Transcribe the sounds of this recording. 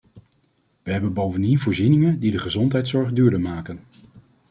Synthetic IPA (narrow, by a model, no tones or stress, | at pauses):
ʋəɦɛbənbowvəndinvʊːɹzinɪŋəndidəχəzɔntɦɛjtsɔɹχdyːɹdəmaːkən